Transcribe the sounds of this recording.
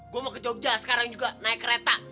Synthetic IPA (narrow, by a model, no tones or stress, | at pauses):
ɡuamakəd͡ʒoɡ̚d͡ʒasə̥kaɾaŋd͡ʒuɡanaɪkːəɾet̪a